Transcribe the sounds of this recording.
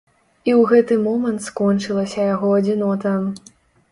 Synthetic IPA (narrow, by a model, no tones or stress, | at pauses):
iwɣɛt̪ɨmɔmɐnt̪skɔnt͡ʂɨlˠɐsʲɐjaɣɔɐd͡zʲinɔt̪ɐ